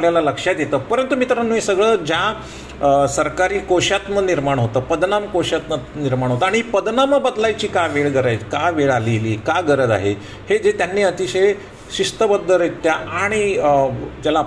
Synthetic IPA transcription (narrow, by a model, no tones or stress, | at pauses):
ljalaləkʂat̪jet̪əːpəɾənt̪umiːt̪əɾənːuĩsəɡɭəːd͡ʑja | səɾkaɾiːkoɕat̪məniɾmaɳ̃ɦot̪əːpəd̪namkoɕjat̪məniɾmaɳ̃ɦot̪əaɽ̃ipəd̪naməbəd̪lajt͡ɕiːkaʋeɭɡəɾajkaʋeɭaleliːkaɡəɾəd̪a̰ɦe | hed͡ʑet̪janːiːət̪iɕəj | ɕiʂt̪əbəd̪ːəɾit̪jaʔaɽ̃i | t̪jala